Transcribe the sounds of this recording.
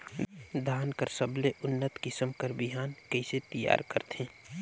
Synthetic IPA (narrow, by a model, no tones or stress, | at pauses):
d̪ʱaːnkəɾsəbleʔʊnːət̪kɪsəmkəɾbɪɦaːnkəiset̪əja̰ːɾkəɾt̪ʰẽː